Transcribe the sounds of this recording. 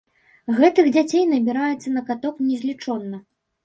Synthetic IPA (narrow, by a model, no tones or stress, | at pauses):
ɣɛt̪ɨɣd͡zʲat͡sʲejn̪ɐbʲiɾajɛt̪sːɐnɐkat̪ɔknʲɛzʲlʲit͡ʂɔnːɐ